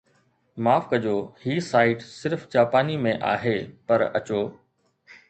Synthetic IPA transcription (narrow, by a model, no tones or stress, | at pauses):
maːfkɐd͡ʑoːhiːsaːɪʈsɪɾft͡ɕaːpaːnimẽʔa̰ːɦeːpɐɾɐ̰t͡ɕoː